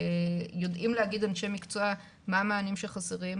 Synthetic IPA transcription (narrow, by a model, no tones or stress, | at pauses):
jo̞dimleaɡid̪anʃemikt͡soa | maːmaːnimʃeχaseʁim